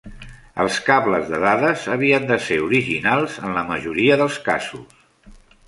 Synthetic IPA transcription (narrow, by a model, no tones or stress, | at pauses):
ə̰lˠskaβləzðəðaðəzəβiənd̪əseɾuɾiʒinalˠzənləməʒuɾiəðəlˠska̰zus